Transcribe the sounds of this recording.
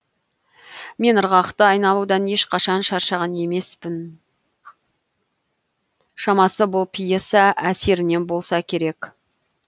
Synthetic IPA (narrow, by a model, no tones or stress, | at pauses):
me̞nəɾʁɑqt̪əɑjnɑlˠud̪ɑne̞ʃqʰɑʃɑnʃɑɾʃɑʁɑne̞me̞spɪn | ʃɑmɑsəbʊlˠpʰijesɑʔæse̞ɾɪne̞nbo̞lˠsɑkʲʰe̞ɾe̞k